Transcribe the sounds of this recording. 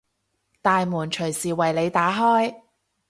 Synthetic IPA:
t̪aː˨jmuː˨˩nt͡ʃʰɵ˨˩ɥsiː˨˩wɐ˨jle˨˧jt̪aː˨˥ɦɔː˥j

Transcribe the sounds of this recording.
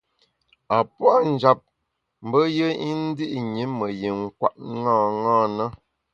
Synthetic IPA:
a˨pwa˦n̩˨d͡ʒa˨p̚ | m̩˨˦bə˦jə˦i˦n̩˦di˦ʔɲi˨˦mə˨ji˨ŋ̩˦˨kwa̰˦˨t̚ŋãː˦˨ŋaː˦˨na˦

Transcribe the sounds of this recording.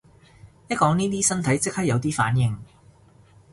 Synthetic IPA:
jɐ˥t̚kɔː˨˥ŋniː˥t̪̬iː˥sɐ˥nt̪ʰɐ˨˥jt͡sɪ˥k̚hɐ˥jɐ˨˧wt̪iː˥fa̰ː˨˥njɪ˨ŋ

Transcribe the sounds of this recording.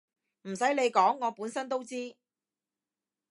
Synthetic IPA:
m̩˨˩sɐ˨˥jle˨˧jkɔː˨˥ŋːɔː˨˧puː˨˥nsɐ˥nt̪o˥wt͡siː˥

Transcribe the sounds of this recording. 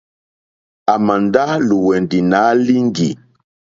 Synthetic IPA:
a˨ma˨nda˦lu˨wɛ˨ndi˨na˨˦li˦ŋɡḭ˨

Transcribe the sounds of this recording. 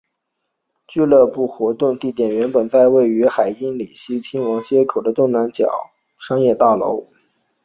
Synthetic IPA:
t͡ɕy˥˧lɤ˥˧pu˥˩xwɔ˧˥t̪ʊ˥˧ŋt̪i˥˩t̪jɛ˨˩nɥɛ˧˥npə˨˩nt͡sa˥˧ɪwe˥˩ɪy˧˥xa˨˩ɪi˥nli˨˩ɕi˥˩t͡ɕʰi˥nwɑ˧˥ŋɕjɛ˥kʰo˨˩ʊd̪ə˦t̪ʊ˥˩ŋna˧˥nt͡ɕjɑ̰˨˩˦ʊ | ʂɑ˥ŋjɛ˥˧t̪ɑ˥˩lo̰˧˥ʊ

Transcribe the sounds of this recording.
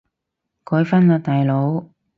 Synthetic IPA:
kɔː˨˥jfɐ˥nlaː˧t̪aː˨jlo˨˧˥w

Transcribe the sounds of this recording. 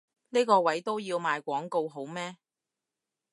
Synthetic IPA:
niː˥jkɔː˧wɐ˨˥jt̪o˥wjiː˧wmaː˨˧jkʷɔː˨˥ŋko˧wɦo˨˥wmɛː˥

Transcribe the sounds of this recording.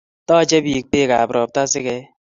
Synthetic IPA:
tɔ˦˨t͡ʃe˦bi˨k̚k͡pe˦˨ka̰˨bɾɔ˨p̚ta˦si˦kɛ˦

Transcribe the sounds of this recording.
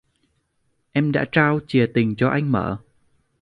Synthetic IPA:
ʔɛ˧mɗa̰ː˧˥t͡ɕaː˧wt͡ɕi˨˩ət̪ï˨˩ŋ̟t͡ɕɔ˧ʔa˧jŋ̟mə̰ː˧˨

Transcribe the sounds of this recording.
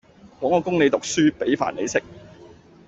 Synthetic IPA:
kɔː˨˥ŋɔː˨˧kʊ˥ŋne˨˧jt̪ʊ˨k̚syː˥pe˨˥jfa̰ː˨˩nle˨˧jsɪ˥k̚

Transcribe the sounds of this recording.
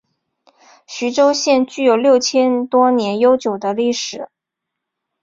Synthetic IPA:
ɕy˧˥ʈ͡ʂo˥ʊɕjɛ˥˧nt͡ɕy˥˩jo˨˩ʊljo˥˩ʊt͡ɕʰjɛ˥nt̪wɔ˥njɛ˧˥njo˥ʊt͡ɕjo˨˩ʊd̪ə˦li˥˩ʂɻ̩˨˩˦

